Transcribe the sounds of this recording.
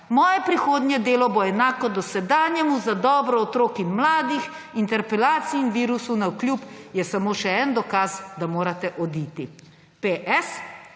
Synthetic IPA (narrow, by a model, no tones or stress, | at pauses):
mɔːjɛpɾixoːd̪njɛd̪eːlɔbɔɛnaːkɔd̪ɔsɛd̪aːnjɛmuzad̪ɔːbɾɔɔt̪ɾoːkinmlaːd̪ix | int̪ɛɾpɛlaːt̪siːnʋiːɾusunawklʲjuːpjɛsamoːʃɛɛːnd̪ɔkaːzd̪amoːɾat̪ɛʔɔd̪iːt̪i | peʔɛs